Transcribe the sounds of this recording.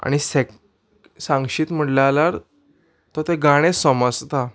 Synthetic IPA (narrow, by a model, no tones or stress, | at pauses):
a̰ɽ̃isek | sãŋɡɕiːt̪m̤əʈlalaɾ | t̪ɔt̪eɡaɽ̃esɔmɔst̪a